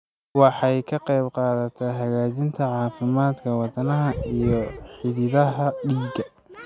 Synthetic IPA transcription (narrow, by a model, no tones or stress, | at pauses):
wɑħɑjkʰɐqɑjbqɑːðɐt̪ʰɛɦɐɣaːt͡ʃɪnt̪ʰɐʕɑːfɪmaːd̪kʰɐwɑt̪ɐnɐɦɐijɔħɪðɪðɐɦɐɖiːɡɐ